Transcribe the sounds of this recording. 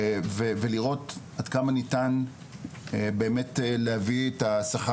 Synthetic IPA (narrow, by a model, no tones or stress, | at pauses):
veveliʁo̞t | adkamanitan | beːmetlehavietasaχa